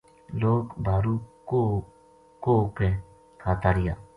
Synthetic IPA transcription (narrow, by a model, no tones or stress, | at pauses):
loːkbaɾuko | koke | kʰat̪aɾija̰